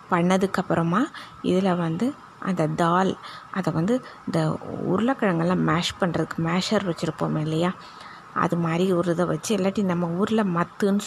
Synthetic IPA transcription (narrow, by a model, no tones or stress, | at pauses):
pɐɳːɐðɯkːɐpːɯɾɐmaː | ɪ̰ðɪlɐʋɐnd̪ɯ | ʔɐ̰nd̪ɐd̪aːlʔɐðɐʋɐnd̪ɯɪnd̪ɐʊ̰ɾɯlɐkːɐɻɐŋɡɐɭlãːmaːʂpɐɳːrɐðɯkːɯmaːʂɐɾʋɐt͡ʃːɪɾɯpːo̰ːmɪlːɐjaː | ɐ̰ðɯmaːd̪ɾiʊɾlðɐʋɐt͡ʃːɯɛlːaːʈːinɐmːɐuːɾɪlɐmɐt̪ːɯn